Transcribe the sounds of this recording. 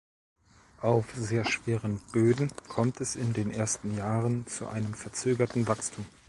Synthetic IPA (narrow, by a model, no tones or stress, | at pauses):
ʔaʊfz̥eːɐʃv̥eːʁənb̥øːdn̩kʰɔmtɛsɪndeːnʔeːɐstn̩jaːʁənt͡sṵʔa̰ɪnəmfɛɐt͡søːɡɐtn̩vakstʰuːm